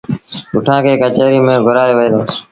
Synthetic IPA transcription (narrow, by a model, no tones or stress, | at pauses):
kʊʈʰãːkeːkət͡ʃeːɾiːmẽːɡʱʊɾaːjoːʋəeːd̪oː